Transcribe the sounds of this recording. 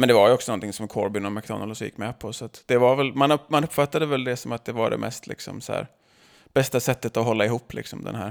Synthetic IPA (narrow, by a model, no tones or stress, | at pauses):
mɛnd̪ɛvaɾjɔksɔnɔnt̪ʰɪŋsɔmkʰɔ̰ɾbʏnɔmak̚d̪ɔ̰nalsjɪ̰kːmɛpʰɔsat̪d̪̥ɛvaɾvɛlmanɵmanɵpːfat̪ːad̪əvɛld̪ɛsɔmat̪̚d̪ɛvaɖɛ̰mʔɛ̰st̪ʰlɪ̰ksɔ̰msæ̰ːɾ | b̥ɛst̪asɛt̪ːət̪ɔɦɔlːaɪɦuːpːlɪ̰ksɔmd̪ɛ̰nɦæ̰ːɾ